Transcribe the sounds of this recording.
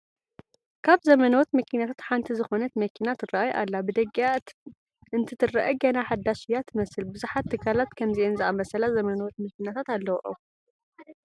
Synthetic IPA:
kʰaβzɐmɐnɐwɔt̪mɐkʰinat̪ʰat̪ħant̪ʰizɨxo̞nɐt̪mɐkʰinat̪ʰɨraʔajʔa̰lːabɨd̪ɐɡaa | ɨnt̪ʰɨt̪ʰɨrːa̰ʔɐɡɐnaħad̪ːaʃijːat̪ʰɨmɐsɨlbɨzuħat̪ʰːɨkʰːalat̪kʰɐmziʔenzɨʔamɐsɐlazɐmɐnɐwot̪mɐkinat̪ʰat̪alːɐwʔo̰

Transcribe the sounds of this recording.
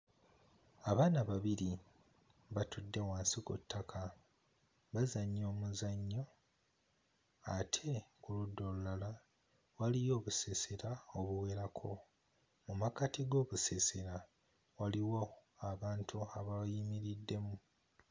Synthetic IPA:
aβaːnaβaβiɾi | βatudːe̞waːnsikṵtːakʰa | βazaɲːo̞ːmuzaɲːo̞ | atʰe̞kuludːo̞lulala | walijo̞ːβuseseɾaoβuwe̞ːɾakʰo̞̰ | mumakatiɡo̞ːβuseseɾa | waliwo̞aβaːntʰuaβajimiɾidːe̞mu

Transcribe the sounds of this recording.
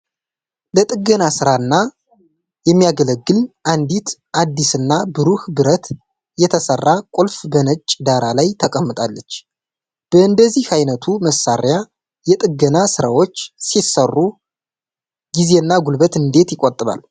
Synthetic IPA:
lət̪ʼɨɡənasɨɾaɨnːa | jɛmːijaɡələɡːɨlʔand̪it̪ʔad̪ːisɨnːabɨɾuhbɨɾət̪ | jɛt̪ʰəsərːakʼolfbənət͡ʃʼd̪aɾalajt̪ʰəkʼəmːɨt̪ʼalːət͡ʃː | b̥əɨnd̪əzːihajnət̪ʰuməsaɾja | jɛt̪ʼɨɡːənasɨɾawo̞t͡ʃːsisərːu | ɡize̞ɨnːaɡulbət̪ɨnd̪e̞t̪jɪkʼot̪ʼɨβa̰l

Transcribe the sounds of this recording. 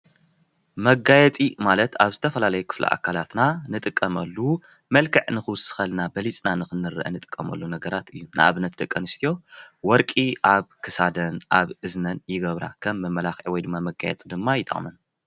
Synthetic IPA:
mɐɡajɛt͡sʼimalɐt̪aβzɨt̪ʰɐfɐlalɐjukʰɨ̥flḭʔa̰kʰalat̪nanɨt̪ʼɨkʼːɐmɐlːu | mɐlkʰɨʕnɨxɨwʊsɨ̥xɐlnabɐlit͡sʼnanɨxɨnːɨɾɨ̰ʔɐ̰nɨt̪ʼɨ̥kʼːɐmɐ̰lːunɐɡɐɾat̪ɨjːunʔɨ̰ʔa̰βɨnɐt̪̚d̪ɐkʼːɐnɨst̪ʰijo̞wɔɾkʼiʔaβkʰɨsad̪ɐnʔaβɨznɐnjɪɡɐβɾa̰kʰɐmːɨmɐlaxʕwɔjd̪ɨmːamɐɡa̰jɛ̰t͡sʼd̪ɨmːajɪt̪ʼɐ̰χʼmɐn

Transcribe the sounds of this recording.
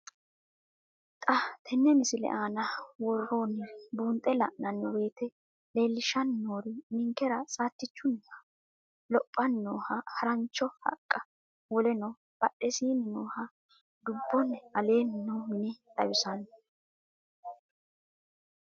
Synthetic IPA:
t̪ʼɐt̪ʰɛnːɛmɪsɪlɛ̰ʔaːnɐwɔrːoːnɪbuːnt̪ʼːɛlɐʔnɐnːwe̞ːt̪ɛ | le̞ːlːɪʃɐnːoːɾɪmɪŋkɛɾɐsʼaːt̪ːɪt͡ʃːʊnɐ̥ | lɔpʼːɐnːoːhɐhɐɾɐnt͡ʃːɔhɐ̰kʼːɐ | wɔlɛnɔ | b̥ɐɗːɛsiːnɪnoːhɐ | d̪ʊbːɔnɐle̞ːnnɔmɪnɛt̪ʼɐ̰jʊsɐnː

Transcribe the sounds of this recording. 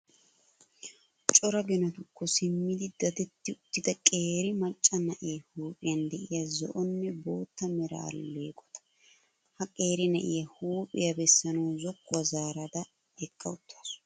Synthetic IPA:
t͡ʃʼɔɾɐɡɪnɐt̪ʊkːɔsɪmːɪd̪ɪd̪ɐt̪ɛt̪ːɪʊt̪ːɪd̪ɐkʼeːɾɪmɐt͡ʃʼːɐnɐʔeːhuːpʼɪjɐnd̪ɛʔɪjɐzɔ̰ʔɔnːɛbo̞ːt̪ːɐmɛɾɐ̰ːlːeːkʼɔ̥t̪ɐ̥ | hɐkʼeːɾɪnɐʔɪjɐhuːpʼɪjɐbɛsːɐnɐwzɔkːwɐzaːɾɐd̪ɐ | ɛkʼːɐ̰ʊt̪ʰːas

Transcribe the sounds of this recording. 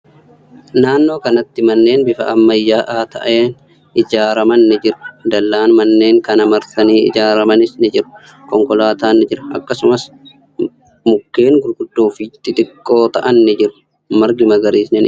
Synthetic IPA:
naːnːo̞ːkɐnɐt̪ːɪmɐnːe̞ːnbɪfɐ̰ɐmːɐjːaːʔaːt̪ʰɐ̰ʔeːn | ɪd͡ʒaːɾɐmɐnːɪd͡ʒɪɾɐ̥d̪ɐlːaːnmɐnːe̞ːŋkɐnɐmɐɾt̪ɐniːɪ̰d͡ʒaːɾɐmɐnɪsnɪd͡ʒɪɾɐ̥ | kɔŋkɔlaːt̪aːnːɪd͡ʒɪɾɐɐ̰kːɐsʊmɐs | mʊkːe̞ːŋɡʊɾɡʊd̪̥ːoːfɪt̪ːɪt̪ʼɪkʼːo̞ːt̪ɐʔɐnːɪd͡ʒɪɾɐ̥ | mɐɾɡɪmɐɡɐɾiːsnɪn

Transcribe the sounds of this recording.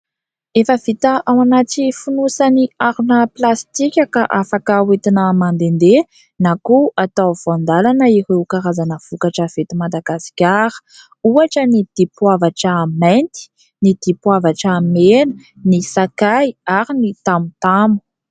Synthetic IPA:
efəvit̪əʔawanatifunusaniaɾunəplast̪ikʲakaʔafakawet̪inəmand̪end̪e | nakuat̪av̥and̪alanəiɾewkaɾazanəv̥ukaʈ͡ʂəv̥et̪imad̪aɡasi̥kʲaɾə̥ | uaʈ͡ʂənid̪̥ipwavaʈ͡ʂəːment̪i̥ | nid̪̥ipwavaʈ͡ʂamenə̥ | nisakajaɾinit̪amut̪amu̥

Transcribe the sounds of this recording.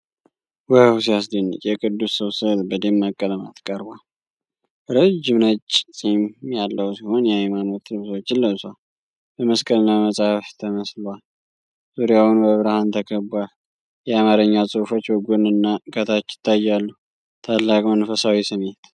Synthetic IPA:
wəhwsijas̬d̪ənːɨ̰t͡ʃʼjɛkʼʰɨd̪ːusːəwsɨt̪bəd̪emːakʼːələma̰t̪kʼəɾbal | ɾəd͡ʒːɪmnət͡ʃʼːsʼimjalːəhusiho̞njɛajmano̞t̪ːlɨβsəwot͡ʃːɪlːəβsal | bəməskʼəlɨnːaməsʼahft̪ʰəməslwal | z̥uɾijawnbəβɾahant̪ʰəkʰəbual | jɛamaɾəɲːasʼɨfo̞t͡ʃːwɔɡonɨnːakʰət̪ʰat͡ʃːɪ̥t̪ʰːajːalːəh | t̪ʰalːakʼmənfəsawisɨmet̪

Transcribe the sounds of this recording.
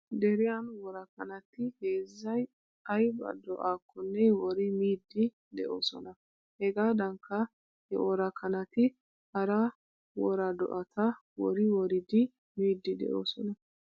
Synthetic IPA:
d̪ɛɾɪjɐnwɔɾɐkːɐnɐt̪ɪheːzːɐj | ɐjbɐ̰d̪ɔʔaːkʰːɔnːɛwɔɾɪmiːd̪ːɪ | d̪ɛʔo̞̰ːsɔ̰nɐ | hɛɡaːd̪ɐŋkːɐ | hɛ̰wɔɾɐkʰːɐnɐt̪ɪ | hɐɾɐ | wɔɾɐd̪ɔ̰ʔɐt̪ɐ | wɔɾɪwɔɾɪd̪ɪ | miːd̪ːɪd̪ɛ̰ʔo̰ːsɔnɐ

